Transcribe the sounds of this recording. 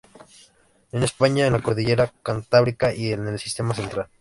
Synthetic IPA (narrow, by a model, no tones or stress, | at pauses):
enespaɲaenlakoɾðiʝeɾakant̪aβɾikaʔielnelsi̥st̪e̞mas̬ent̪ɾal